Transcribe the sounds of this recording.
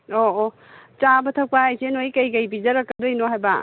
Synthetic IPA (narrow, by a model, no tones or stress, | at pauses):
oo | t͡ʃabɐtʰɐpaːjsenojkɐjkɐjbizɐɾɐkːɐdojnoɦajba̰